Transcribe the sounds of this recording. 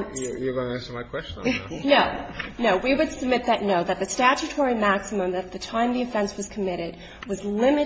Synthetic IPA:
jəjə˞ɡʌnəæ̃nsə˞maɪkʰw̥ɛst͡ʃñnoʊnoʊwiwɨd̥səb̚mɪt̪̚ðɨtⁿnoʊðɨt̪̚ðɨstæt͡ʃɨtʰɔɹimæksəmə̃mðɨt̪̚ðɨtʰãɪ̃mðiɨfɛ̃nswʌz̥kʰəmɪɾɪd̚ | wʌzlɪ̃mɨ

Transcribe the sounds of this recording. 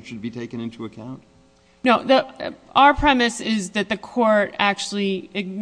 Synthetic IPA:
ʃɨd̚bitʰeɪkɨ̃ñɪ̃ntʰuɨkʰãʊ̃nt̚ | noʊðɨaʊə˞pʰɹ̥ɛmɨsɪzðɨt̪̚ðɨkʰɔɹɾæk̚t͡ʃʉl̩ˠiɨ

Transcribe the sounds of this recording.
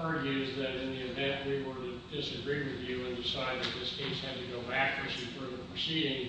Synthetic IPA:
ɑɹɡjʉzðɨɾɨ̃nðiɨvɛ̃nʔwiwə˞ɾɨdɪsɨɡɹiwɨðjʉɨ̃ndɨsaɪd̪̚ðɨt̪̚ðɪskʰeɪshɨd̚tɨɡoʊbæk̚ʰɨ˞sɨfə˞ðɨpʰɹ̥ɨsiɾɪ̃ŋ

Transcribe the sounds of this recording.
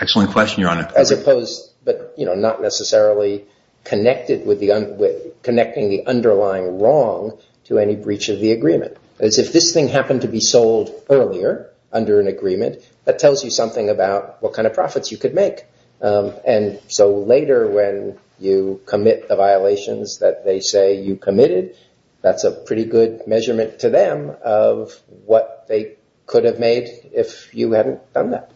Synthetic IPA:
ɛksl̩ˠə̃nkʰw̥ɛst͡ʃnjə˞ɑ̃nɨɨzɨpʰoʊz | b̥ʌt̚jɨnoʊnəʔⁿnɛsɨsɛɹl̩ˠi | kʰɨnɛk̚tɨd̚wɨðiʌ̃nwɪkʰɨnɛk̚tɪ̃ŋðiʔʌ̃ndə˞laɪɪ̃ŋɹɔ̃ŋ | tʰɨɛnibɹit͡ʃʌvðiɨɡɹĩmɨ̰̃n̥ɨzɨfðɪsθɪ̃ŋɦæpn̩tʰɨbisoʊlˠdɜ˞lˠiə˞ | ʔʌ̃ndə˞ɨ̃nɨɡɹĩmɨ̰̃n | b̥ʌtʰɛlˠzjɨsʌ̃mθɪ̃ŋɨbaʊt̚wʌt̚kʰãɪ̃ndə̥pʰɹ̥ɑfɨtsjɨkʰɨd̚meɪk | ɨ̃nsoʊleɪɾə˞wɨ̃n | jɨkʰəmɪt̪̚ðəvaɪəleɪʃɨ̰̃nzðɨt̪̚ðeɪseɪjɨkʰɨmɪɾɪd̪̚ | ðætsəpʰɹ̥ɪɾiɡʊd̚mɛʒə˞mɨ̃ntʰɨðɨ̃mʌv | wʌt̪̚ðeɪ | kʰʊɾɨvmeɪɾɪfjɨhædⁿn̩d̥ʌ̃nðæ̰t̚

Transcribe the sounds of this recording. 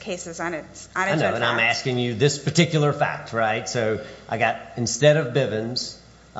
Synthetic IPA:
kʰeɪsɨznɪt | noʊə̃nãɪ̃mæskɪ̃ŋjɨðɪspə˞tʰɪkjl̩ˠə˞fæ̰k̚tʰɹaɪtsoʊʔaɪɡɑɾɨ̃nstɛɾʌvbɪvɨ̃nz̥

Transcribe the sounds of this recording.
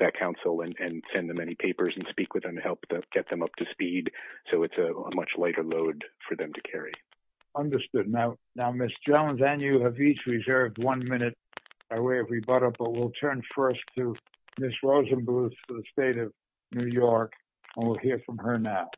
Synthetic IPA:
ðɨt̚kʰãʊ̃nsl̩ˠɨ̃nɨ̃nsɛ̃nðɨmɛñipʰeɪpə˞zn̩spikwɨðɨ̃mhɛlˠp̚ðɨɡ̥ɛt̪̚ðɨ̃mʌp̚tʰɨspid̥soʊɨtsɨə̰mʌt͡ʃlaɪɾə˞loʊd̥fə˞ðɨ̃mtʰɨ̥kʰɛɹḭ | ʌ̃ndə˞stʊdⁿnaʊnaʊmɪsd̥ʒ̥olˠə̃nzæ̃njʉɨvit͡ʃɹɨzɜ˞vd̚wʌ̃nmɪ̃ñɨt̚aɪweɪɨfwibʌɾʌb̥ʌt̚wɪlˠtʰɜ̃˞nfɜ˞stʰɨ | mɪsɹoʊzɨ̃nbə˞ð̥tʰəðəsteɪɾʌv | nʉjɔɹk | ə̃nwɪlˠhiɹfɹʌ̃mə˞naʊ

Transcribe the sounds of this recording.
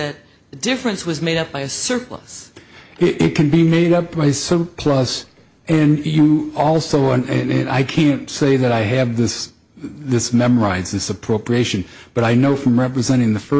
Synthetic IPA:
ɨt̚ | ɨdɪfɹɨ̃nswʌzmeɪɾʌp̚b̥aɪɨsɜ˞pʰlʌ̰sɪʔɪt̚kʰɨ̃n̩bimeɪɾʌp̚b̥aɪɨsɜ˞pʰl̥ʌs | ʔɨ̃njɨɔlˠsoʊə̃nɨ̃nɨ̰̃na̰ɪkʰæ̃ntseɪðɨɾaɪɨvðɪs | ðɪsmɛmə˞aɪzðɪsəpʰɹ̥oʊpɹieɪʃɨ̃nb̥ʌɾaɪnoʊfɹʌ̃mɹɛpɹɨzɛ̃ɾ̃ɪ̃ŋðɨfɜ

